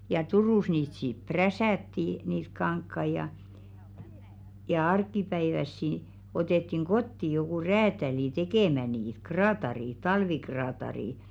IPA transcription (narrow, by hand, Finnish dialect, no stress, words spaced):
jɑ turuˑs niːt sip̆ præsæˑtːi niːt kɑŋkːɑi jɑ jɑ ɑrkˑipæiʋæsːi otetːiŋ ɡ̊otːi jokuˑ ræːtæliˑ tekeˑmæ niːt krɑːtɑriˑ tɑlʋikrɑːtɑriˑ